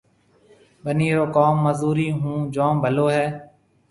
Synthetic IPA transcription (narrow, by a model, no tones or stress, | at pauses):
ɓəniːɾoːkaːmːəzuːɾiːɦũːd͡ʒãːmbʱəloːɦɛː